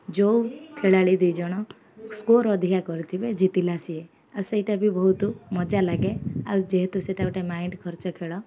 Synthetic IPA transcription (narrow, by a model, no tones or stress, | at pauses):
d͡ʒowkʰeɭaɭid̪ijd͡ʒɔɽ̃ɔ | skoɾɔd̪ʱijakɔɾit̪ʰibed͡ʒit̪ilasie | awseiʈabʱibɔɦut̪umɔd͡ʒalaɡeawd͡ʒeɦt̪useʈauʈemaiɳɖkʰɔɾt͡ʃɔkʰeɭɔ